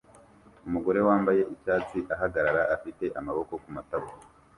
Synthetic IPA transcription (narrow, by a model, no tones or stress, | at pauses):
umuɡo̞ɾe̞waːmbaje̞ʔicaːt͡siʔaɦaɡaɾaɾaafite̞ʔamaβo̞ko̞kumataβu